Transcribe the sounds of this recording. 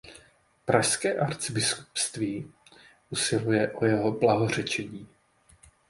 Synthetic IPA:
pɾaʃskɛːʔaɾt͡sɪbɪsku̥pst̪viː | ʔusɪlujɛʔo̞jɛɦo̞blaɦo̞r̝ɛt͡ʃɛɲiː

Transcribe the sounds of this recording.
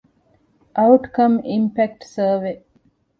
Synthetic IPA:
ʔɐwʈkɐmimpæk̚ʈsəːʋe

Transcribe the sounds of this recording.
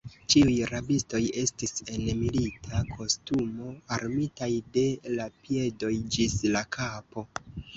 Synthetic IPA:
t͡ʃiujɾabisto̞je̞stise̞nmilitʰakʰo̞stumo̞aɾmitajde̞lapie̞do̞jd͡ʒislakʰapo̞

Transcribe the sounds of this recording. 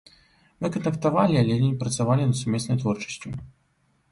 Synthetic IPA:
mɨkɐnt̪ɐkt̪avalʲialʲɛnʲinʲipɾɐt̪savalʲinɐd̪sumʲɛsnɐjt̪vɔrt͡ʂɐ̥sʲt͡sʲu

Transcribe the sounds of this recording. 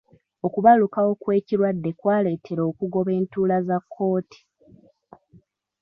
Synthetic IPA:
o̞kuβalukawo̞kwe̞ːciɾwadːe̞kwaːle̞ːtʰe̞ɾo̞ːkuɡo̞βe̞ːntuːlazakʰːo̞ːti̥

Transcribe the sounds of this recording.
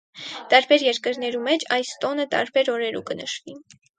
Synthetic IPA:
t̪ɑɾbɛɾjɛɾkəɾn̪ɛɾumɛt͡ʃʰɑjst̪ɔnət̪ɑ̰ɾbɛɾɔɾɛɾukənəʃvi

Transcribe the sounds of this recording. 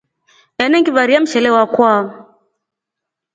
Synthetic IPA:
ɛnɛŋɡiβaɾiam̩ʃɛlɛwakwa

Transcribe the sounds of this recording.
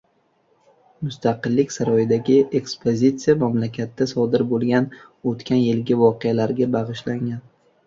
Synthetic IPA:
mʊst̪ʰɑqɨlːɪkʲsaɾɒjɪd̪aɡʲɪʔe̞kspʰozʲit̪sijamamlakʲʰat̪ːasɒd̪ɪɾbolˠɡʲanot̪kʲanjɪlɡʲɪvɒqʰejalaɾɡʲabɑʁɨʃlaŋʲan

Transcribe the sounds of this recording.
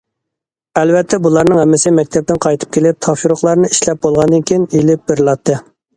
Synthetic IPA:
ɛlvɛt̪ʰːɛbulˠɑɾnɨŋhɛmːɪsɪmɛk̚ʲt̪ʰɛp̚t̪ɪnqʰɑjt̪ʰɨ̥p̚kʲʰelɪp̚t̪ʰɑpʃuɾʊχlˠɑɾnɨiʃlɛp̚bolˠʁɑnd̪ɨnkʲʰijinelɪp̚bɪɾɨlˠɑt̪ʰːɨ

